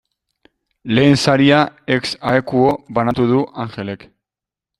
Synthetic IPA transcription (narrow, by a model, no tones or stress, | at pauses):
le̞ːnsaɾiae̞ksaekuo̞βanat̪uð̞uʔaŋxe̞le̞k